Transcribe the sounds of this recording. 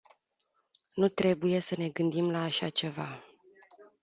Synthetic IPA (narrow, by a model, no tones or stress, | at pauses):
nut̪ɾe̞buje̞səne̞ɡɨnd̪imlaːʃat͡ʃe̞va